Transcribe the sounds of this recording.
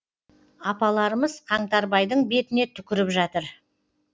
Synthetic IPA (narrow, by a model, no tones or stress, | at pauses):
ɑpɑlˠɑɾəməzqʰɑɴt̪ɑɾbɑjd̪əɴbe̞t̪ɪne̞t̪ʰʏkʲɪɾɪpʒɑt̪əɾ